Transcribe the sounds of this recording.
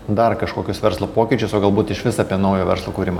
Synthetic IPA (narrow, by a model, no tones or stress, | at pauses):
d̪ɐrkɐʃkoːkʲʊsʋʲɛɾslˠoːpoːkʲɪt͡ʃʲʊsoːɡɐlˠbuːt̪ɪʃʋʲɪsɐɐpʲiɛnɐʊjoːʋʲɛɾslˠoːkuːɾʲɪmɐ